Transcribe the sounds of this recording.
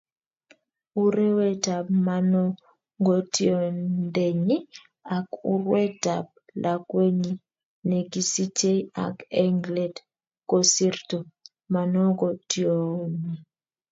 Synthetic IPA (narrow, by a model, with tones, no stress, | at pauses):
u˦ɾe˦wɛ˦ta˨b̚ma˨nɔ˦ | ŋɡɔ˨tiɔ˨nde˨ɲi˦ | a˨ku˦rwɛ˦ta˨p̚lʔa˨kwe˦ɲi˦ | nɛ˨ɡi˦si˦t͡ʃe˦ia̰˨kɛ˦ŋɡlɛ˨d | ko˨si˦rto˨ | ma˨nɔ˦ɡɔ˨tio˨ni˨